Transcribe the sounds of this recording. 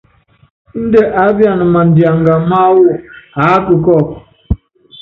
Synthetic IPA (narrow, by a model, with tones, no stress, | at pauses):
n̩˦de˦ʔa˨˦bja˨nʊ˨ma˨n̩˨dja˨ŋ̩˨ɡa˨m̩˦ma˦wʊ˦a˦kʊ˨kɔ˦˨